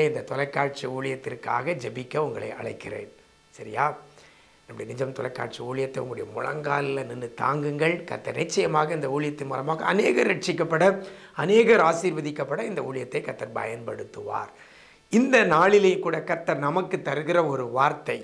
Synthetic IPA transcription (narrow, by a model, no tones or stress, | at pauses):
ɐɪnd̪ɐt̪ɔlɐɪkːaːɻ̚t͡ʃiuːɭɪjɐt̪ːɪrka̰ːɣɐd͡ʒɛbɪkːɐʊŋɡɐɭɐ̰ɪʔɐ̰ɭɐɪkːɪrḛːn | sɐɾɪjaː | nɐmːʊɽɐjɐnɪd͡ʒɐmt̪ɔlɐɪkːa̰ːʈt͡ʃiuːɭɪjɐt̪ːɐɪʊŋɡɐɭʊɽɐjɐmʊ̰ɻɐ̰ŋɡaːlɪlɐnɪnːɯt̪a̰ːŋɡɯŋɡɐɭkɐ̰ɾt̪ːɐɾnɪt͡ʃːɐjɐmaːɣɐɪnd̪ɐuːɭɪjɐt̪ːɪnmuːlɐmaːɣɐɐneːɣɐɾːɛʈ̚t͡ʃːɪkːɐpːɐɽɐ | ɐneːɣɐɾaːsiːɾʋɐðɪkːɐpːɐɽɐɪnd̪ɐuːɭɪjɐt̪ːɐɪkɐt̪ːɐɾbɐ̰jɐnpɐɽɯt̪ːɯʋa̰ːɾ | ɪnd̪ɐnaːɭɪlɐjkuːɽɐkɐɾt̪ːɐɾnɐmɐkːɯt̪ːɐɾɯɣɪɾɐɔɾɯʋaːɾt̪ɐɪ